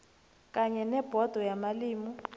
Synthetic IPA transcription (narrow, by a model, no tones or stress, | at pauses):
kʼaɲɛnɛb̥ʱɔd̥ʱɔjamaliːmu